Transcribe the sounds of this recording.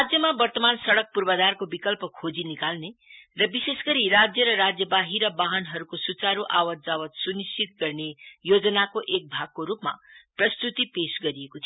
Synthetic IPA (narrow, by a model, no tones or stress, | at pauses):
rad͡zjʌmabʌrt̪ʌmansʌɽʌk̚purbʌd̪arkobikʌlpʌkʰod͡zinikalnerʌbisesɡʌɾirad͡zjʌɾʌrad͡zjʌbaɦiɾʌbaɦʌnɦʌɾukosut͡saɾuʔawʌt̪̚d͡zawʌt̪sunist͡ʃit̪̚ɡʌrnejod͡zʌnakoʔek̚bʱaɡ̚koɾupma̰prʌst̪ut̪ipesɡʌɾiekot̪ʰ